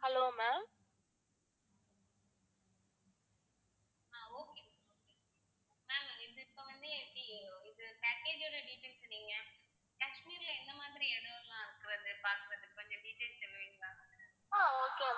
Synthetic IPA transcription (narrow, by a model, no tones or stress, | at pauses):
hɐloːmaːm | aːoːkeː | oːke | maːmɪðɯɪpːɐʋɐnd̪ɯɛpɽiɪðɯpaːkeːd͡ʒoːɽɐɖifɛnsniːŋɡɐ | kɐsmiːɾlɐɛnd̪ɐmaːðɪɾiɛɽɯʋɐlãːɪɾɯkːɪɾɐðɯpaːɾkɯɾɐðɯkːɐɲd͡ʒɐɖiːʈeːsɐlɐʋiɡaː | aːoːke